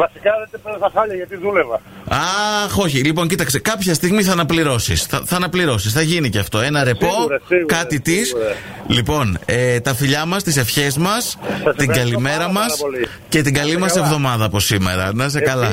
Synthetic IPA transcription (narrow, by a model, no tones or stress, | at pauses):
vɐsikɐðed̪epeɐsɐxɐʎɐʝɐt̪iðulevɐɐxo̞çilip̬o̞ɲcit̪ɐkse̞kɐpçɐst̪iɣmiθɐːnɐpliɾo̞sḭsθɐθɐːnɐpliɾo̞sisθɐʝiniceɐft̪o̞e̞nɐɾe̞po̞kɐit̪is | lipo̞net̪ɐfiʎɐmɐst̪ise̞fçe̞zmɐst̪iɡɐlime̞ɾɐmɐs | ce̞t̪iɡɐlimɐse̞vðo̞mɐðɐːpo̞sime̞̰ɾɐ̰nɐs̬ekɐlɐ